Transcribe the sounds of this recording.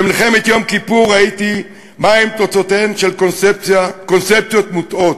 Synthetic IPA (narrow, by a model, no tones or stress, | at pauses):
bemilχemet̪jomkipuʁːait̪i | maimt̪ot͡sot̪enʃelkosept͡sakonsep̚t͡sjo̞t̪mut̪o̞t̪